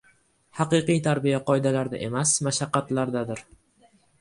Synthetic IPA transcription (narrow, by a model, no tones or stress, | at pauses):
hɑqɨqɨjt̪ʰaɾbijaqʰɒjd̪alaɾd̪a̰ʔe̞masmaʃaqːɑt̪laɾd̪ad̪ɪɾ